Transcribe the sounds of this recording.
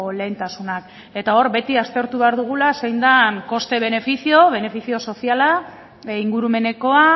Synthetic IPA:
le̞nt̪asunak | e̞t̪ao̞ɾbe̞t̪iast̪e̞ɾt̪uβeaɾðuɣ̞ulasejnd̪aŋko̞st̪e̞β̞e̞ne̞fisio̞β̞e̞ne̞fisio̞so̞siala | iŋɡuɾume̞ne̞ko̞a

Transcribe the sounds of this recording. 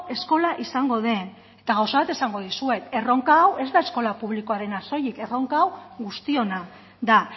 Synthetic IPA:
e̞sko̞laʔisaŋɡo̞ðe̞n | et̪aɣ̞awsaβat̪esaŋɡo̞ð̞isue̞t̪e̞ro̞ŋkaːwe̞zd̪ae̞sko̞lapuβ̞liko̞aɾe̞naso̞jikero̞ŋkaawɣust̪io̞na | d̪a

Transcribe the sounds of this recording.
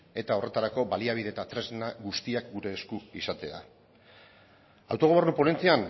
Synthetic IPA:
e̞t̪ao̞re̞t̪aɾako̞baliaβ̞iðeːt̪at̪ɾe̞znaɡust̪iak̚ɡuɾe̞ːskuisat̪e̞a̰ | a̰wt̪o̞ɣo̞e̞rnupone̞nt͡sian

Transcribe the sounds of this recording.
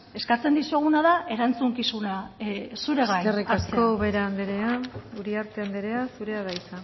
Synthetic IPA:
e̞skat͡se̞nd̪isueɣ̞unaðae̞ɾant͡suŋkisunasuɾe̞ɣajerikaskoβeɾaːnd̪eɾeauɾiaɾt̪eand̪eɾeasuɾeaɣajt͡sa

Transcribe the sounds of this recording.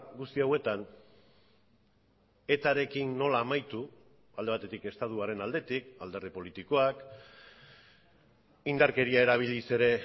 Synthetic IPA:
ɡust̪iawe̞t̪an | e̞t̪aɾe̞kinːo̞laːmajt̪u | ald̪e̞β̞at̪e̞t̪ike̞st̪at̪uaɾe̞nald̪e̞t̪ikald̪e̞ɾðipo̞lit̪iko̞ak | ind̪aɾke̞ɾiae̞ɾaβ̞ilise̞ɾe̞

